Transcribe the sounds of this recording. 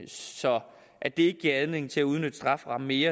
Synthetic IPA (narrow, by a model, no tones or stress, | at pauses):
sɒ̽ | ʔæd̥e̝e̝ɡ̥əɡ̥iɐæð̞ˠne̝ŋ̩t͡sʰe̝æuð̞ˠnød̥sd̥ʁɑ̈fʁɑ̈mme̝ːɐ